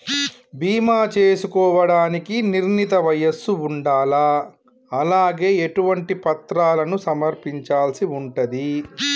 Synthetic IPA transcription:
biːmaːt͡ʃeːsukɔːʋɐɽaːnikiniɾnit̪ɐʋɐjɐsːuuɳɖaːla | ɐlaːɡe̞ːeʈuʋɐɳʈipɐt̪ɾaːlɐnusɐmɐɾpiɲt͡ʃaːlsiuɳʈɐd̪i

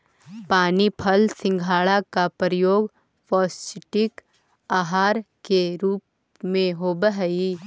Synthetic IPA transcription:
paːnipʰəlsɪ̃ŋɡʱaːɭakapɾəjoːɡ | fʰɔːsɪʈɪk | aːɦaːɾkeɾuːp | mẽɦoːbəɦəi

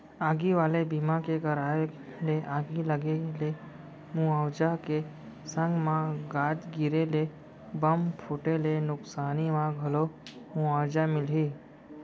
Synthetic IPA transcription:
aːɡiʋaːlebimãkekəɾaːe | leʔaːɡiləɡele | mũawd͡ʒake | sə̃ŋɡmãɡaːd͡ʒ̪ɡɪɾele | bəmpʰʊʈelenʊksaːnimãɡʱəlo | mũawd͡ʒamɪlɦiː

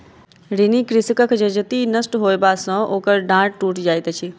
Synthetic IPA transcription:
ɾinikɾɪsəkəkʰd͡ʒɐd͡ʒət̪inəsʈɦoːjbaːsɔ̃oːkəɾɖãːʈ̚ʈuːʈd͡ʒaːjt̪ət͡ʃʰi

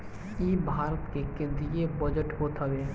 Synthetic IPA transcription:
iːbʱaːɾət̪kekɪ̃nd̪ijebəd͡ʒəʈɦot̪ʰəʋeː

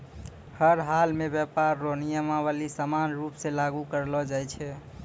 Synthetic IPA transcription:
həɾɦalmebjɛpaɾːonijəmabalisamanɾupsẽlaɡukəɾlɔd͡ʒajt͡ʃʰɛ

